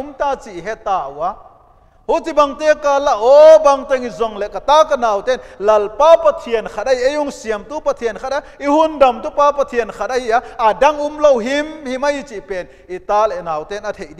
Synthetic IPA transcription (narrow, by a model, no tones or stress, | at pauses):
umt̪aːt͡siʔɦɛt̪ːaːʔuwa | hutibɐŋt̪ekalaʔɔbɐŋt̪ɛŋizɔŋleʔkɐt̪aːkɐnaːwt̪ɛnlɐlpaːpɐt̪ʰiənkʰat̚ɐiʔejuŋsiəmt̪upɐt̪ʰiənkʰat̪̚aihundɐmt̪upaːpɐt̪ʰiənkʰat̚ɐhiʔaɐdɐŋumlowɦimhimɐjit͡sipen | ʔit̪aːlenaːwt̪ɛnɐt̪ʰejʔdi